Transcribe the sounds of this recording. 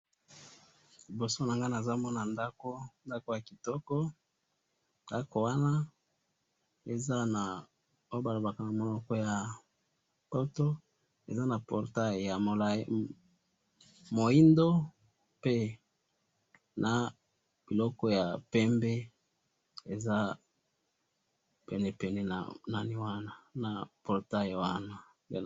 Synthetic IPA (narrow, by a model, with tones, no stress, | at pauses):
li˨bo˨so˦na˨ŋɡa˦na˨za˦mɔ˦na˨nda˦ko˦nda˦ko˦ja˨ki˨tɔ˦kɔ˦ | nda˦ko˨wa˦na˦ | e˨za˦na˨ | o˦o˦ba˨lo˨ba˨ka˨na˨mo˨lɔ˨kɔ˦ja˨ | ko˦to˦ | e˨za˦na˨pɔ˨ʁta˦˨ja˨o˨l | mo˨i˦ndo˦ | pe˦ | na˨ | b̥i˨lɔ˦kɔ˦ja˨pɛ˦mbe˦ | e˨za˦ | pɛ˨nɛ˨pɛ˨nɛ˨na̰˨na˦ni˦wa˦na˦na˨pɔ˨ʁta˦jwa˦na˦ | de˨